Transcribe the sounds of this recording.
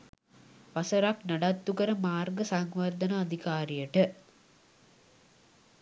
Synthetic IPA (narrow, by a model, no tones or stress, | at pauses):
ʋɐsɐɾaknɐɖat̪ːukəɾəmaːrɡəsaŋʋɐrd̪ɐnaːd̪ʱikaːɾijəʈə